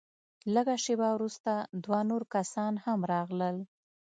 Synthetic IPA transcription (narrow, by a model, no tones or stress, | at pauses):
ləɡaʃebawɾust̪ad̪wɑnoɾkasɑnhamɾɑɣləl